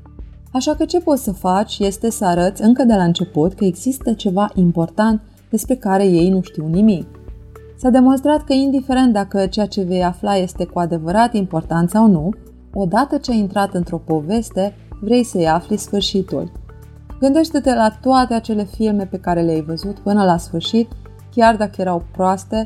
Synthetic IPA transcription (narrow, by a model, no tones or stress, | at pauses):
aʃakət͡ʃe̞po̞t̪səfat͡ʃʲje̞st̪e̞səaɾət̪sʲɨŋkəd̪e̞laɨnt͡ʃe̞put̪kəe̞ɡzist̪ət͡ʃe̞vaʔimpo̞rt̪ant̪ | d̪e̞spɾe̞kaɾe̞je̞jnuʃt̪iwnimik | sad̪e̞mo̞ns̬t̪ɾat̪kəind̪ife̞ɾe̞nt̪̚d̪akət͡ʃejat͡ʃe̞ve̞jaflaje̞st̪e̞kuad̪e̞vəɾat̪impo̞rt̪ant̪sawnu | o̞d̪at̪ət͡ʃeaint̪ɾat̪ɨnt̪ɾo̞po̞ve̞st̪e̞ | vɾe̞jsəjaflisfɨrʃit̪ṵlʲ | ɡɨnd̪e̞ʃt̪e̞t̪e̞lat̪oat̪e̞at͡ʃe̞le̞filme̞pe̞kaɾe̞leajvəzut̪pɨnəlasfɨrʃit̪ | kʲard̪akəjeɾawpɾoast̪e̞